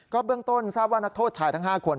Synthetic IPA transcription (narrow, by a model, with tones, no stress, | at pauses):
kɔː˥˩bɯ˧əŋt̪o˥˩nsaː˥˩p̚waː˥˩na˦˥k̚t̪ʰoː˥˩t̪̚t͡ɕʰaː˧jt̪ʰa˦˥˩ɦaː˥˩kʰo˧n